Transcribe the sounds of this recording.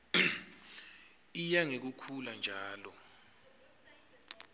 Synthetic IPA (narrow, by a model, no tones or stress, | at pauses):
ijaŋek̬ukʰuland͡ʒʱaːlɔ